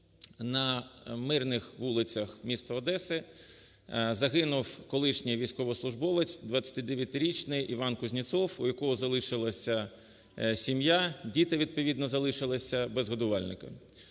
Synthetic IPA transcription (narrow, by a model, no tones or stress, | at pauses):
nɐmɪrnɪxʋulˠɪt͡sʲɐxmʲist̪ɔːd̪ɛsɪ | zɐɦɪnʊwkɔlˠɪʃnʲijʋʲijsʲkɔʋɔslˠʊʒbɔʋɪt͡sʲd̪ʋɐt͡sʲːɐ̥t̪ɪd̪eʋʲjɐt̪ɪɾʲit͡ʃnɪjʔiʋɑnkʊzʲnʲit̪sɔwujɐkɔɦɔzɐlˠɪʃɪlˠɐsʲɐ | sʲimjadʲit̪ɪʋʲid̪̚pɔʋʲid̪nɔzɐlˠɪʃɪlˠɐsʲɐbɛzɦɔd̪ʊʋɑlʲnɪ̰kɐ̰